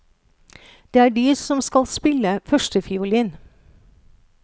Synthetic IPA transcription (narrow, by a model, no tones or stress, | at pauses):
d̪̥eːæːɖiːsɔmskɑlspɪləfœʃʈəfɪuːliːn